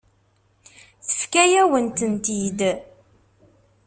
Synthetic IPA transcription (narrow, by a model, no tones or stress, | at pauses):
θə̥fkæjæwənt̪ənt̪id̪